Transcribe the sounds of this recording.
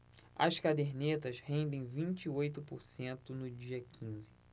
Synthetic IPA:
ɐ̰skad̪eɾnet̪ɐzhẽnd̪ẽj̃vĩt͡ʃːojt̪ʊpʊɾsẽnt̪ʊnʊd͡ʒiɐkʰĩzɪ

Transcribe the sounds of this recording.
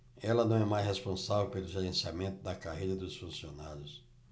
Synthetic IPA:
ɛlɐnɐ̃w̃ɛmajshespõsavewpelʊʒeɾẽsiamẽnt̪ʊd̪ɐkaɦejɾɐd̪ʊsfũsionaɾjʊs

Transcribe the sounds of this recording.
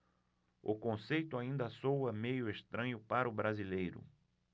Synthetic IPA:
ʊkõsejt̪ʊaĩnd̪ɐsowɐmejʊest̪ɾɐ̃ɲʊpaɾʊbɾazilejɾʊ̰

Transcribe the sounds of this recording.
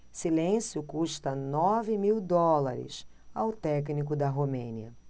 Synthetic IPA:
silẽsjʊkuʃt̪ɐnɔvɪmiwd̪ɔlaɾɪ̰s | awt̪ɛknikʊd̪ɐɦomẽniɐ

